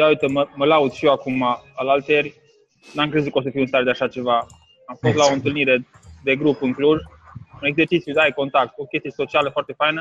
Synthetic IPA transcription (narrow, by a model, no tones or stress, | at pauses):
eaɨt̪əməməlaud̪ʃiewakumaalalt̪erʲ | namŋkɾezukosəfiuwɨnst̪aɾed̪aʃat͡ʃe̞va | amfo̞st̪lao̞ɨnt̪ɨlniɾe̞ | d̪e̞ɡɾupɨŋkluz | une̞ɡze̞rt͡ʃit̪siud̪ajko̞nt̪ak̚t̪o̞kʲest̪ije̞so̞t͡ʃialəfoart̪e̞fajnə